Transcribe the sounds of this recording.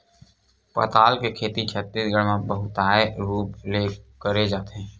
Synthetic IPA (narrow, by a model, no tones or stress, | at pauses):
pə̰t̪aːlkekʰeːt̪it͡ʃʰət̪ːisɡəɽmãbəɦʊt̪aːeɾuːpleːkəɾed͡ʒaːt̪eɦɛ̃ː